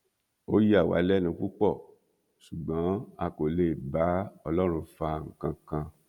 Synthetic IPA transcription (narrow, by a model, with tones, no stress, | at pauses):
o˦ji˦a˦˨wa̰˨˦lɛ˦˨nũ˧˨ku˦k͡pɔ˦˨ | su˨ɡ͡bɔ̃˨˦a˧ko˨le˨ba˨˦ɔ˧lɔ˦ɾ̃ũ˧fa˧ŋ̩˨kã˧kã˧